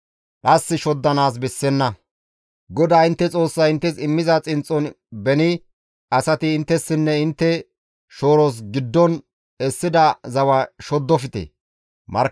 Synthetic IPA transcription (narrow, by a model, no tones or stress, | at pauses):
ᶑʼɐsːɪʃɔd̪ːɐnaːs̬bɛsːɛnːɐ | ɡɔd̪aːɪnt̪ːɛt͡sʼo̞ːsːɐjɪnt̪ːɛsɪmːɪzɐt͡sʼɪnt͡sʼːɔn | bɛnɪ | ɐsɐt̪ɪːnt̪ːɛsːɪnːɛɪnt̪ːɛ | ʃo̞ːɾos̬ɡɪd̪ːɔn | ɛsːɪd̪ɐzɐwɐʃɔd̪ːɔfɪt̪ḛː | mɐɾ